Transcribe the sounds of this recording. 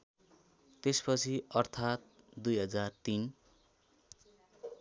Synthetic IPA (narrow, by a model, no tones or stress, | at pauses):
t̪espʌt͡sʰiʌrt̪ʰat̪̚ | d̪ujɦʌd͡zart̪in